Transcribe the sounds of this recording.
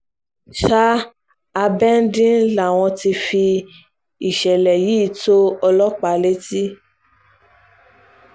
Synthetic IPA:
ʃa˦ | a˧bɛ˦n̩˦dĩ˦la˦˨w̃ɔ̃˧ti˧fi˧ | i˨ʃɛ˨lɛ˨jiː˨˦to˦ɔ˧lɔ˦k͡pa˨˦le˦ti˦

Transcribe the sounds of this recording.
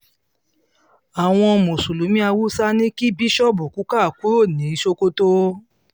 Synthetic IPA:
a˨w̃ɔ̃˧mo˨su˨lu˨˦mĩ˦a˧wu˦sa˦nĩ˦ki˦bi˦ʃɔ˦˨bu˨ku˨˦ka˦˨ku˦ɾo˦˨nĩ˨˦ʃo˧ko˧to˦

